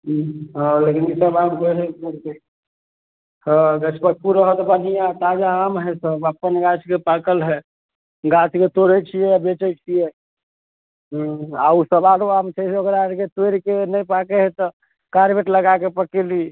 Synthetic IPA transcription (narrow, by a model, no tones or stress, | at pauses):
ɦɦɔ̃lekinisəbamkəɦɛəɾk̪e | həɡət͡ʃʰpək̚puɾəɦət̪banijat̪ad͡ʒaamɦɛsəbəpːənɡat͡ʃʰkepakəlɦɛ | ɡat͡ʃʰket̪oɾət͡ʃʰijɛbet͡ʃət͡ʃʰijɛ | ɦausəbaɾoamt͡ʃʰɛseoɡəɾaɾket̪oɾkenəjpakeɦɛt̪ɔ | kaɾbeʈləɡakepəkeli